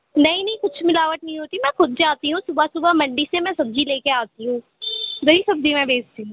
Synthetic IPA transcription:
nɐɦĩnɐɦĩkʊt͡ʃʰmɪlaːʋəʈ̪nɐɦĩɦoːt̪imɛ̃ːxʊd̪̚d͡ʒaːt̪iɦũsʊbasʊbamɐ̃ɳɖisemɛ̃sɐb̚d͡ʒileːkeaːt̪iɦũː | ɡɐɦisɐb̚d͡ʒimɛ̃beːd͡ʒt̪iɦũ

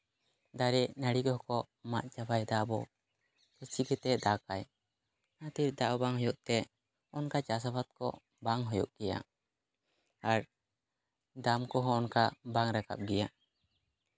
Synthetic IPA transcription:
d̪aɾɛʔnaɽikɔɦkɔ | ma̰ʔt͡ʃabajd̪aʔbɔ | kɛsiɡɛt̪ɛd̪akaj | nat̪iɾd̪aʔɔbaŋɦɔjɔʔt̪ɛ | ɔnkat͡ʃas̬abat̪̚kɔ̰ | baŋɦɔjɔ̰ʔkɛja̰ | aɾ | d̪amkɔɦɔ̃ːnkabaŋɾaka̰p̚ɡɛja

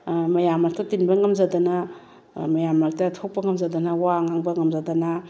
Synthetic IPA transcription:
mɐjamːaɾ̚tɐtinbɐŋɐmzadɐnɐ | mɐjamːaɾtɐtʰok̚pɐŋɐmzadɐnɐwaŋaŋbɐŋɐmzadana

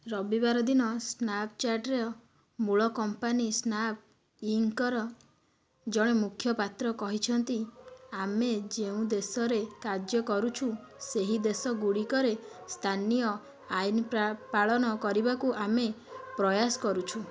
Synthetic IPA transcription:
ɾɔbibaɾɔd̪inɔsnap̚t͡ʃaɾʈɾeɔ | muɭɔkɔmpanisnap̚ | iŋkɔɾɔ | d͡ʒɔɽ̃emukʰjɔpat̪ɾɔkɔɦit͡ʃʰɔnt̪iamed͡ʒeũd̪esɔɾekaɾd͡ʒjɔkɔɾut͡ʃʰu | seɦid̪esɔɡuɽikɔɾest̪ʰanijɔ | ainppaɭɔnɔkɔɾibakuʔamepɾɔjasɔ̥kɔɾut͡ʃʰu

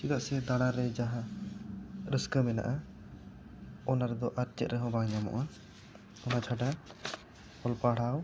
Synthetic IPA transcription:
t͡ʃid̪aʔsɛd̪aɽ̃aɾɛd͡ʒaɦã | ɾəskəmɛna̰ʔa | ɔnaɾɛd̪ɔʔaɾt͡ʃɛt̪̚ɾɛɦɔ̃baɲamɔ̰̃ʔa | ɔnat͡ʃʰaɖa | hɔlpaɽ̤aw

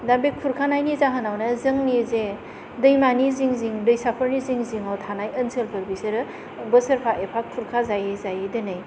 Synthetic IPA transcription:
dambekʰːuɾkʰanajnizaɦənawnɐzɯŋnize | dɯjmaniziŋziŋdɯjsapʰəɾniziŋziŋawtʰanajənsʰɯlpʰɯɾbisɯɾɯ | bəsɐɾpʰaʔepʰakʰːuɾkʰazajezajedɯnɯj

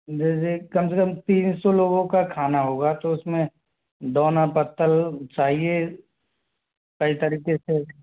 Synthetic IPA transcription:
d͡ʒed͡ʒekɐmsekəmt̪ĩːnsoloːɡõkakʰaːnaɦoːɡat̪oʊsmẽ | d̪ɔːnapət̪ːəlt͡ʃaːɦie | kɐit̪ɐɾiːqese

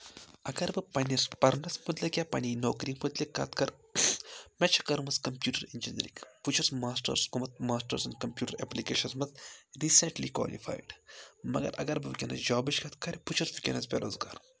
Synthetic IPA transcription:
ɐɡɐɾbɨpɐnʲɐspɐɾnɐsmɐt̪lɐkʲjaːpɐniːnoːkɾiːmut̪likːɐ̰t̪kɐɾ | mɛt͡ʃʰɐ̥kɐɾmɐskɐmpjuːʈɐɾind͡ʒinɐɾḭkput͡ʃʰɐsmaːsʈɐ̰ɾskumɐt̪̚maːsʈɐɾsɐnkɐmpʲjuːʈɐɾḛplikeːʃɐnsmɐt̪ɾisɐɳʈliːkwa̰ːlḭfʰa̰ːjɖmɐɡɐ̰ɾɐ̰ɡɐɾbɨʋikʲɐnɐ̰sd͡ʒaːbɐt͡ʃkɐt̪kɐɾʲput͡ʃʰɐsʋikʲɐ̰nɐsbʲḛːɾʔoːzɡa̰ːɾ

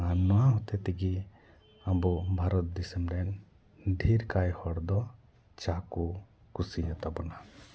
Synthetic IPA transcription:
anɔwaɦɔt̪ɛt̪ɛɡi | abɔbʱaɾɔt̪̚d̪isɛmɾɛn | d̪ʱiɾkajhɔɽd̪ɔ | t͡ʃaku | kusijat̪abɔna

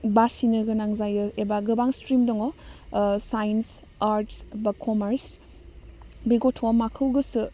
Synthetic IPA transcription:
basinɯɡɐnaŋzajɯebaɡɯbaŋstɾimdɔŋɔ | sajns | aɾtsbɐkʰɔmeɾs | biɡotʰomakʰɐwɡɯsɯ

